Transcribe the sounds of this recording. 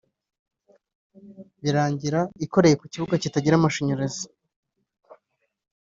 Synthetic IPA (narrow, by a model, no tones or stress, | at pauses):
βiɾaːɲɟiɾaiko̞ɾe̞je̞kuciβuɡacitaɟiɾamaʃoɲoɾezi̥